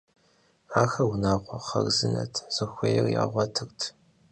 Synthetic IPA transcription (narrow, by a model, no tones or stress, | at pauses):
aːxɐwnaːqʷɐχɐrzɨnɐ̰tʰz̥ɨxʷejɛrja̰ːʁʷɐtʰɨrtʰ